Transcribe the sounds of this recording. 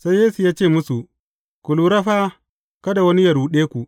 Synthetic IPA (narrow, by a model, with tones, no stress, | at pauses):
sa˦jeː˦su˨jaː˦t͡ʃeː˦˨mʊ˦su˨ | kʷʊ˨luː˨ɾɐ˦ɸa˦ | kɐ˦da˨wɐ˦ni˦jɐ˨ɾuː˨ɗeː˦kʷu˨